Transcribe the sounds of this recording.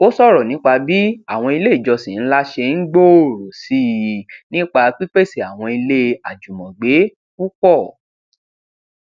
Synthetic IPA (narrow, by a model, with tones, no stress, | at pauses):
o˦sɔ˦˨ɾɔ˨nĩ˨˦k͡pa˧bi˦a˦˨w̃ɔ̃˧i˧le˦i˦˨d͡ʒɔ˧sĩ˨n̩˦la˦ʃe˧n̩˦ɡ͡bo˦˨ɾo˨si˦˨nĩ˦k͡pa˧k͡pi˦k͡pe˦˨si˨a˨w̃ɔ̃˧i˧le˦a˨d͡ʒu˨mɔ̃˨ɡ͡be˨˦ | ku˦kɔ˦˨